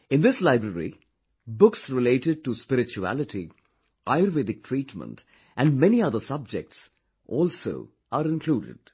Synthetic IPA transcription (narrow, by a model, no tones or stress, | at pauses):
ɪ̃nd̪ɪslaɪbɾəɾḭ | bʊksɾɪleːʈɪɖ̚ʈuspɪɾɪt͡ʃuæ̰lɪʈi | ʔaɪəɾʋɪdɪk̚ʈʰɹiːʈmə̰̃nt | ʔæ̃nɖmɛniʌd̪əsʌb̚d͡ʒɛk̚ʈs | ʔɔːlso̰ː | ʔaɾɪ̃nkʰluːɖɪ̰ɖ̥